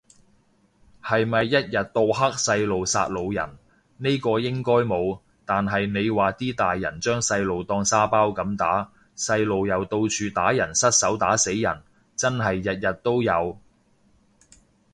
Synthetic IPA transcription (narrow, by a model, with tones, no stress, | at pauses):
hɐ˨jmɐ˨jːɐ˥t̚jɐ˨t̚t̪o˧wɦa˥k̚sɐ˧jlo˨wsa̰ː˧t̚lo˨˧wjɐ̰˨˩n | ne˥jkɔː˧jɪ˥ŋkɔː˥jmo˨˧w | t̪aː˨nɦɐ˨jne˨˧jwaː˨˩t̪iː˥t̪aː˨jːɐ̰˨˩nt͡ʃœː˥ŋsɐ˧jlo˨wt̪ɔː˧ŋsaː˥paː˥wkɐ˨˥mt̪aː˨˥ | sɐ˧jlo˨wjɐ˨wt̪o˧wt͡ʃʰyː˧t̪aː˨˥jɐ˨˩nsɐ˥t̚sɐ˨˥wt̪aː˨˥se˨˥jjɐ̰˨˩n | t͡sɐ˥nɦɐ˨jːɐ˨t̚jɐ˨t̚t̪ːo˥wjɐ˨˧w